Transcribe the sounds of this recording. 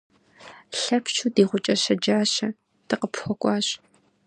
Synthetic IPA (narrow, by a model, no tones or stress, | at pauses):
ɬɐpt͡ʃʰuːdiːʁʷʊt͡ʃʼɐɕɐd͡ʒaːɕɐ | tɨqəpxʷɔkʷʼɑːɕ